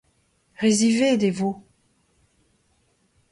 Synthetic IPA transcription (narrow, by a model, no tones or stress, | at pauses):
ʁezived̪evo